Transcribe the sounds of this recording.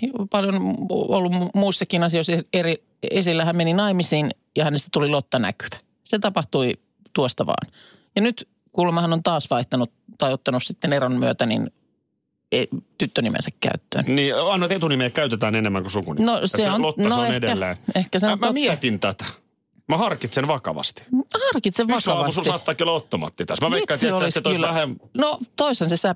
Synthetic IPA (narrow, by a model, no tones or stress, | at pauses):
pɑljonolːummumuisːɑkinɑsioiseeri | esilːæhæmmeninɑimisiːn | jɑhænest̪æt̪ulilot̪ːɑnæ̰ky̥ʋ̥æ̥ | set̪ɑpɑht̪ui | t̪uost̪ɑʋɑ̰ːn | jɑnyt̪ | kulemɑhɑnont̪ɑːsʋɑiht̪ɑnut̪t̪ɑiot̪ːɑnussit̪ːeneronmyøt̪ænḭn | et̪yt̪ːønimḛnsækkæ̰yt̪ːø̰ːnniːɑinoet̪et̪unimeːkkæyt̪et̪æːnenemːæŋkusukunḭnoseonlot̪ːɑnoenedeælːeːnehkæsemmomiæt̪int̪æt̪æ̥ | mæhɑrkit̪senʋɑkɑ̰ʋɑ̰st̪i̥hɑrkit̪seʋʋɑsɑɑsuɑːt̪ːɑːkːiolɑot̪ːomɑ̰ːt̪ːit̪æsmæʋeikːæsioiset̪oslæhennot̪oisensesæ